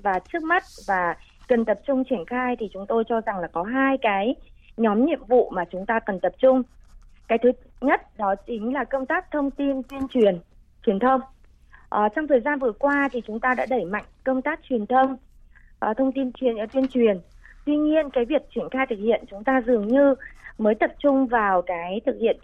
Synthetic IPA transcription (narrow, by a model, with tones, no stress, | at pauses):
vaː˨˩t͡ɕɨ˦˥ək̚ma˦˥t̚vaː˨˩ | kə˨˩nt̪ə˨˩p̚t͡ɕʊ˧ŋ͡mt͡ɕi˧˩ənxaː˧jt̪ʰi˨˩t͡ɕʊ˨˦ŋ͡mt̪o˧jt͡ɕɔ˧za˨˩ŋlaː˨˩kɔ˨˦ɦaː˧jkaː˨˦jɲɔ˨˦mɲḭ˧˨əmvṵ˧˨maː˨˩t͡ɕʊ˨˦ŋ͡mt̪aː˧kə˨˩nt̪ə˨˩p̚t͡ɕʊ˧ŋ͡mkaː˨˦jt̪ʰɨ˨˦ɲə˦˥t̚ɗɔ˨˦t͡ɕï˨˦ŋ̟laː˨˩kə˧wŋ͡mt̪aː˦˥k̚t̪ʰə˧wŋ͡mt̪i˧nt̪wi˧ənt͡ɕwi˨˩ən | t͡ɕwi˨˩ənt̪ʰə˧wŋ͡m | ʔəː˨˩t͡ɕɔ˧wŋ͡mt̪ʰəː˨˩jzaː˧nvɨ˨˩əkwaː˧t̪ʰi˨˩t͡ɕʊ˨˦ŋ͡mt̪aː˧ɗa̰ː˧˥ɗə˧˩jma̰˧˨jŋ̟kə˧wŋ͡mt̪aː˦˥k̚t͡ɕwi˨˩ənt̪ʰə˧wŋ͡m | ʔt̪ʰə˧wŋ͡mt̪i˧nt͡ɕi˨˩nʔə˧˩t̪wi˧ənt͡ɕwi˨˩ən | t̪wi˧ɲi˧ənkaː˨˦jvi˨˩ək̚t͡ɕwi˧˩ənxaː˧jt̪ʰɨ˨˩k̚hḭ˧˨ənt͡ɕʊ˨˦ŋ͡mt̪aː˧zɨ˨˩əŋɲɨ˧məː˨˦jt̪ə˨˩p̚t͡ɕʊ˧ŋ͡mvaː˨˩wkaː˨˦jt̪ʰɨ˨˩k̚hḭ˧˨ən